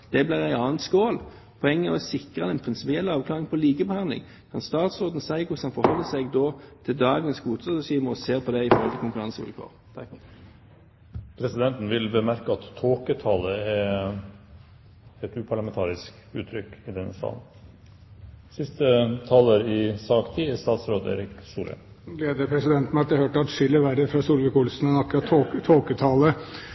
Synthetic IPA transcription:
d̪̥ɛblæːʁæɪɑːnt̪skoːl | pʰɔɛŋːəəʁɔsɪkʁənɛnpʰʁɪnsɪpɪɛlːɑːʋkʰlɑːʁɪŋpʰɔliːɡəbəhɑnd̪lɪ̰ŋ | kʰɑnst̪ɑːt̪sʁoːd̪n̩sæɪɡʊshɑnfɔʁhɔlːəsæɡd̪ɔːt̪ʰɪld̪ɑːɡəəsɡuːt̪ʰɑsɛʃiːməʁɔseːʁpʰɔd̪ɛɪfɔɾʁhɔlt̪ʰɪlkʊŋkʉʁɑnsʋʉ̰lkʰo̰ːʁt̪ʰɑk | pʰɾɛsɪd̪ɛnt̪n̩ʋɪlbəmæɾkəɑt̪ʰːoːkət̪ʰɑːləɛ | ɛt̪ʉːpʰɑɭɑmɛnt̪ʰɑːɾɪsk | ʉːt̪ʰɾʏkɪd̪ɛnəst̪ɑ̰ːln̩ | sɪst̪ət̪ʰɑːləɾɪsɑːkt̪ʰiːɛst̪ɑːt̪sɾoːd̪ḛːɾɪksuːlɛ̰ | leːd̪əpʰɾɛsɪd̪ɛnt̪mɑt̪əhøːʈəɑt̪ʂʏlːəʋæɾəfɾɑsuːlʋɛkʊlsn̩ɛnɑkːɾɑt̪ʰːoːoːkət̪ʰɑːlə

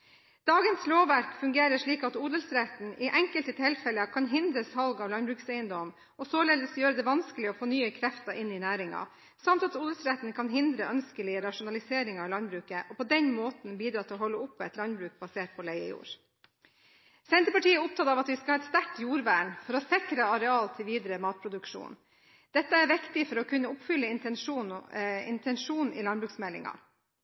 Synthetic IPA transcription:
d̪̥ɑːɡənsloːʋæɾkfʉŋɡeːɾəʂɭiːkɑt̪uːd̪əlsɾɛt̪n̩ʔɪʔɛŋkəlt̪ət̪ʰɪlfɛləkʰɑnɦɪnd̪ɾəshɑlɡɑʋlɑnbɾʉːksæɪənd̪ɔm | ɔsoːleːd̪əsjøːɾəd̪ɛʋɑnskəlɪɔfonyːəkʰɾɛft̪ɑʔɪnɪnæːɾɪŋɑ̰ | sɑmt̪ɑt̪uːd̪əlsɾɛt̪n̩kʰɑnɦɪnd̪ɾəʔœnskəlɪəɾɑʂʊnɑlɪseːɾɪŋɑɪlɑnbɾʉːkəʔɔpʰɔd̪ɛnmoːt̪n̩biːd̪ɾɑːt̪ʰɪlɔɦɔlːəʊpːɛt̪lɑnbɾʉːk̚bɑseːʈ̚pʰɔlæɪə̰jṵːɾ | sɛnt̪əpɑʈiːəʊp̚t̪ɑːt̪ɑːʋɑt̪ʋɪskɑhɑːɛt̪st̪æʈjuːɾʋæːɳfɔɾɔsɛkɾəɑɾɛɑːlt̪ʰɪlʋiːd̪ɾəmɑːt̪̚pʰɾʊd̪ʉkʂṵːn | d̪̥ɛt̪ːəæɾʋɪkt̪ɪfɔɾɔkʰʉnːəʊpfʏlːəɪn | ɪ̰nt̪ʰɛnʂuːnḭlɑnbɾʉːksmɛlːɪ̰ŋɑ̰

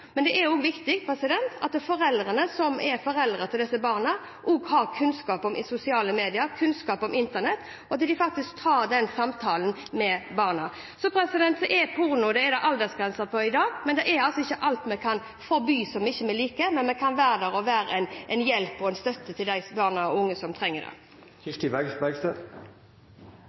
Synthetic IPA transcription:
mɛnd̪ɛʔɛɾjɔɡʋɪkt̪ɪɡpʰɾɛsɪd̪ɛnt̪ʰɑ̰t̪fɔɾɛld̪ʁənəsɔmɛɾfɔɾɛld̪ɾʁət̪ʰɪld̪ɛsːəbɑːʁnə | ʔɔɡhɑɾkʰʉnskɑːpɔmɪsʊsɪɑːləmeːd̪ɪəɾkʰʉnskɑːpɔmɪnt̪ənɛt̪ː | ɔɑt̪d̪ɪfɑk̚t̪ɪsk̚t̪ʰɑːɾd̪ɛnsɑmt̪ʰɑːlən | mɛbɑːʁnɑ | sɔpʰɾɛsɪd̪ɛnt̪sɛʔɛpʰʊʁnʊd̪ɛɛd̪ɛʔɑld̪əsɡʁɛnsəpʰɔɪd̪ɑːɡmɛnd̪ɛʔɛɑlsɔɪçːəʔɑlt̪mɛkʰɑn | fɔɾbyːsɔmɪçːəmɛliːkəmɛnmɛkʰɑnʋæːɾəd̪æɾɔʋæːɾəɛnʔɛnjɛlpɔɛnst̪œt̪ːət̪ʰɪld̪æɪbɑːʁnɑɔʊŋːəsɔmt̪ʰɾɛŋːəd̪ɛ̰ | kɪt̪ɪbæɡsbæɡst̪ə

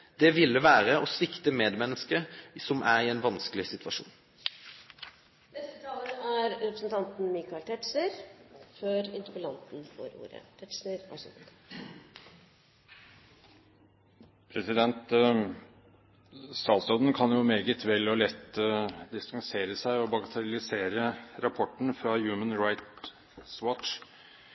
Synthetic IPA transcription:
d̪̥ɛʋɪlːəʋæːʁəɔsʋɪkt̪əmeːd̪mɛnːəskəsɔmʔæʁɪɛnʋɑnskəlɪsɪt̪ʰʋɑʂṵːn | nɛst̪ət̪ʰɑːlənəæɾɾɛpɾəsn̩t̪ʰɑnt̪n̩mikɑɪlt̪ʰɛʈsəɾføɾɪ̰nt̪ʊpəlɑnt̪n̩fɔ̰ːɾṵːɾə̰t̪ʰɛʈʂnəɾɑ̰ʂ | pʰɾɛsɪd̪ɛnt̪ | sɑːlsɔd̪n̩kʰɑnjʊmeːɡət̪ʰʋɛlːɔlɛt̪d̪ɪst̪ɑŋseːɾəsæɪɔbɑɡɑt̪ʰɛɾlɪseːɾəɾɑpʰɔʈɳ̩fɾɑjʉːmənɹaɪt̪ | swɔtʃ

